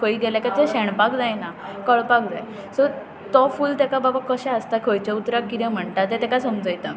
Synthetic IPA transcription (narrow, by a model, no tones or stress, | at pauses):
kʰoiɡɛlakat̪eɕeɳ̃pakd͡zajnakəɭpak̚d͡za̰j | səɾ | t̪ɔfuːlt̪akababakəɕaəst̪akʰojt͡ɕeut̪ɾakːiẽm̤əɳʈat̪et̪ɛkasəmd͡zəjt̪a